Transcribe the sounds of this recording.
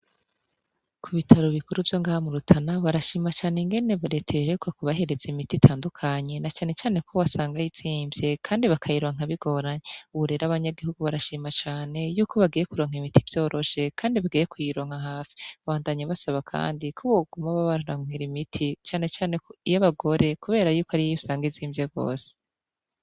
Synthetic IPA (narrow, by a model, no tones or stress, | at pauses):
kʰuβitʰaɾoβikuɾuvjo̞ŋɡaːhamuɾutʰanaβaɾaʃiːmat͡ʃaːneŋɡe̞ne̞βaɾetʰeɾekwakuβaɦe̞ɾe̞zeimititʰaːndukʰaɲe̞nat͡ʃaːne̞t͡ʃaːne̞kʰo̞βasaːŋɡajit͡siːmbje̞kʰaːndiβakʰajiɾoŋ̥aβiɡ̥o̞ːɾaɲeuβuɾe̞ɾaβaɲaɡihuɡuβaɾaʃiːmat͡ʃaːne̞juːko̞βaɡiːje̞kuɾoːŋ̥imitiv̥jo̞ːɾʔo̞ʃe̞kʰaːndiβaɡijekujiɾo̞ːŋ̥haɦaːfi̥βaβaːndaɲaβasaβakʰa̰ːndikʰoβoɡumaβaβaɾɾaŋ̥eɾimitʰit͡ʃaːne̞t͡ʃaːne̞koijaβaɡo̞ɾe̞kuβe̞ːɾajuːkoaɾijiusaːŋɡiziːmbjeɡo̞̰ːse̥